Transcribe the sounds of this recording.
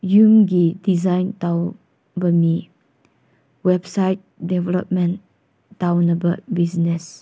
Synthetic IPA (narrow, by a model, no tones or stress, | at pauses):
jũmɡidizãjntaw | bəmi | wɛbsajt̚dɛvɛlɔ̰p̚mɛ̃n | tawnabəbisnɛs